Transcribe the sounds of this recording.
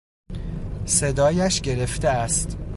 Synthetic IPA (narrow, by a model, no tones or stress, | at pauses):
se̞d̪ɒːjæʃɟe̞ɾe̞ft̪eæst̪